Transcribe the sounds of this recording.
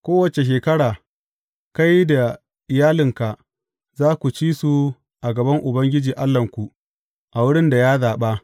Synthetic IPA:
kʷoː˦wɐ˨t͡ʃe˨ʃ̬eː˨kɐ˦ɽaː˨ | ka˦jda˨ | ʔɪ˨jaː˦lɪ˨ŋka˨ | zaː˦kʷu˨t͡ʃiː˦su˨ | ʔa˨ɡɐ˨bɐ˦ŋʔʊ˨bɐ˦ŋɡʲɪ˦d͡ʒiː˨ʔa˦lːɐ˨ŋkʷu˨ | ʔa˨wʊ˦ɽɪ˦nda˨jaː˦zaː˨ɓa˦

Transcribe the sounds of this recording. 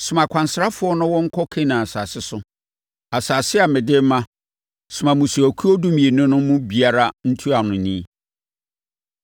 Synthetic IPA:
sʊ˨mã˨kʷʰã˨nsɾa˦fʊ˨˦ɔ˦nʊ̃˦wɔ̃˦ŋ̩˦kʰɔ˦kʰe˦nã˨a˨saː˨sɪ˦sʊ˦ | a˨saː˨sɪ˦a˨mɪ̃˨dɪ˦mã˦ | sʊ˨mã˨mʊ̃˨su˨æ˨kʰu˦ɔ˦dũ˦mĩ˨e˨nʊ̃˦nʊ̃˦mʊ̃˦bi˨a˨ɾa˦n̩˦tʰu˦a˨nʊ̃˨nĩ˦

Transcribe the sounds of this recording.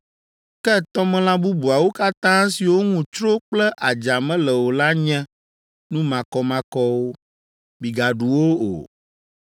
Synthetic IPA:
kɛ˦t̪ɔ˦mɛ̃˦lã˦bu˦bu˨a˨wo˦ka˦t̪ã˦si˨wo˦ŋũ˨t͡ʃɾo˦k͡plɛ˦ʔa˨d͡ʒa˨mɛ̃˦lɛ˨wo˨la˦ɲɛ̃˦ | nũ˦mã˨kɔ˨mã˨kɔ˦wo˦ | mi˨ɡa˨ɖu˨wo˦o̰˨

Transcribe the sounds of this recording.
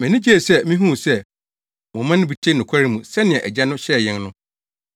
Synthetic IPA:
mɛ̃˨nɪ̃˦d͡ʑe˦˨sɛ˦˨mĩ˦ɦũ˦˨sɛ˦˨ | mʊ̃˨mã˦nɪ̃˦bi˨t͡ɕʰe˦nʊ̃˨kʷʰa˦ɾi˦mũ˨sɛ˦nɪ̃˨ɛ̃˨ʔæ˨d͡ʑɛ˦nʊ̃˦ɕɛ˦˨jɛ̃˦nnʊ̃˦

